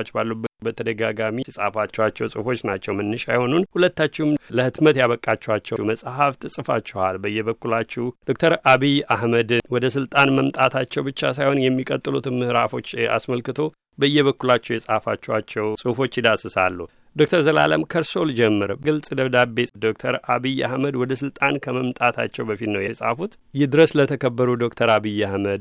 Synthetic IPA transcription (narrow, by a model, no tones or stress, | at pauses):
t͡ʃːbalːubəbət̪ʰəd̪əɡaɡamisʼahfat͡ʃːɛwat͡ʃːɛwsʼɨfo̞t͡ʃːnat͡ʃːɛwmɨnːɨʃajho̞nunhulət̪ːat͡ʃːɪhumləhɨt̪mət̪jaβəkʼːat͡ʃːɛwat͡ʃːɛməsʼhaft̪ʰɨsʼɨfat͡ʃːɛhalbəjːɛβəkːulat͡ʃːɛwd̪̥o̞k̚t̪ʰəɾaβijahməd̪wɔd̪əsɨlt̪ʼanməmt̪ʼat̪ʰat͡ʃːɛwbɨt͡ʃːasajho̞njɛmːikʼət̪ʼːɨlut̪ɨnmɨhɾafo̞t͡ʃːa̰sməlkɨt̪ʰo̞ | bəjːɛβəkːulat͡ʃːɛwjɛsʼhfa̰t͡ʃːɛwat͡ʃːɛwsʼɨfo̞t͡ʃːjid̪asɨsa̰lːu | d̪o̞k̚t̪ʰəɾzəla̰lə̰mkʰəɾso̞ld͡ʒɛmːɨɾɡɨlsʼɨd̪əβd̪abe̞t̪d̪o̞k̚t̪ʰəɾʔaβija̰hməd̪wɔd̪əsɨlt̪ʼankʰəməmt̪ʼat̪ʰa̰t͡ʃːɛwbəfit̪nəwjɛsʼhfut̪ | jɛhd̪ɨɾəslət̪ʰəkʰəbːəɾud̪o̞k̚t̪ʰəɾaβijːahməd̪